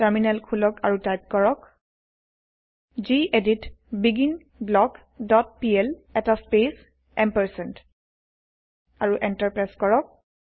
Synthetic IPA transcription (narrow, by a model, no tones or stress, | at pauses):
tɛɹminɛlkʰulɔkaɹutajp̚kɔɹɔk | ziʔeditbiɡin | blɔɡ | dɔt̚piɛlɛtaspes | ɛmpɛɹsɛnt | aɹuʔɛntaɹpɹajskɔɹɔk̚